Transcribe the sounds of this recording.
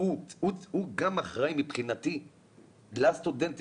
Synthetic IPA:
uuthuɡamaχʁajmipχinat̪i | last̪ud̪ent̪

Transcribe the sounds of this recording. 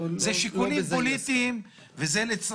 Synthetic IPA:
zeʃikunimpo̞lit̪iːm | vezelet͡s

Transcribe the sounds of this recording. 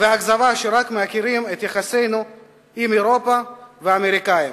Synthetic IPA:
veaɡzavaʃeɾakmeakiɾimet̪jaχase̞jnu | imeɾo̞paveameɾikaim

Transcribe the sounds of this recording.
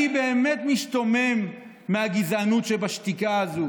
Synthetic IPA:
ibe̞ːme̞t̪miʃt̪ome̞mː | ehaɡizanutʃebaʃt̪ikaazu

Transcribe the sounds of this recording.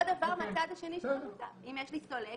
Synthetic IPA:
d̪avaʁmeat͡sad̪aʃe̞niʃemud̪a̰ʔimjeʃlist̪ole

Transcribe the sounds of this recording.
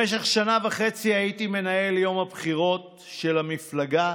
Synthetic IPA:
eʃ̬eχʃanavaχe̞t͡siajit̪ime̞nae̞ljo̞mhabχiʁo̞t̪ | ʃe̞lamiflaɡa

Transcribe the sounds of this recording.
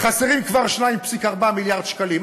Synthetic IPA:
χaseʁimkvaʁʃnaimpsikaʁbamiljaʁd̪ʃkalim

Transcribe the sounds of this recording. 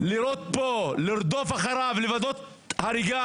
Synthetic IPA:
liɾot̪̚poliɾd̪ofaχaɾavlivad̪ot̪ | haɾiɡa

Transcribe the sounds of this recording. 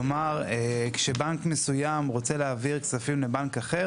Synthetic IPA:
omaʁekʃebankme̞sujamʁo̞t͡seleaviʁksafimlebankaχe

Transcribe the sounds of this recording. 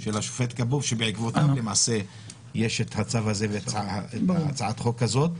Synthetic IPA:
ʃelaʃu̥fet̪kabuvʃebeʕikvot̪amlemaʕse̞ | jeʃet̪hat͡savhazevetaeat͡saʕat̪χo̞khazo̞t̪

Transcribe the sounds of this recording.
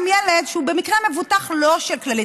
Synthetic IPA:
mjeled̪ʃeubemikʁeme̞vutaχlo̞ʃelklali

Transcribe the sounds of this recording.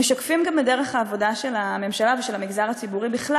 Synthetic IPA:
eʃakfimɡambedeʁeχhaːvo̞daʃe̞lame̞mʃalaveʃelamiɡzaʁat͡sibuʁibiχla

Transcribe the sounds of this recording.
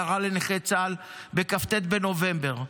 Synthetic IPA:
aʁaleneχet͡sal | bekaft̪et̪̚beno̞ve̞mbe̞ʁ

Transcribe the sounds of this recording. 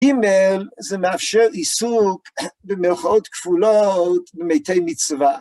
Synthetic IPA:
ɪmɛlˠzɛmafʃɛɾisukbɪmɪlˠχotkfulˠɔtbɪmeɪtʰeɪmɪt͡sva

